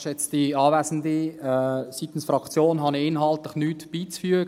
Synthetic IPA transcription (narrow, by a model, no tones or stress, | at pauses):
ʃjɛt͡std̥iɑːvæsn̩diɛsit̪n̩sfɾɑkt͡sjoːnɦɑniɪnɦɑlt̪lɪχnyːtb̥iːt͡sfyəɡ